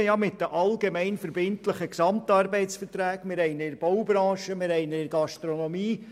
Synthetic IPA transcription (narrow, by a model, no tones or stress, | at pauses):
jɑmɪt̚dəʔɑlɡemɛɪnfəɾbɪntləχəksɑmtɑrbɛɪtsfərtɾæːkmɪɾɛɪnəɪɾb̥ɔwbɾɑ̃ːʃəmɪrɛɪnəɪɾɡ̥ɑʃtɾɔnɔmiː